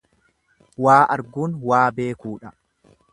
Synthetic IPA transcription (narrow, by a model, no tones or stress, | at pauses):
waːʔɐɾɡuːnwaːbe̞ːkuːᶑɐ